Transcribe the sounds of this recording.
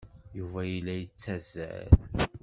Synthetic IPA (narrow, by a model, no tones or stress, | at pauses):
juvæjəlːæjət͡sːæzæ̰l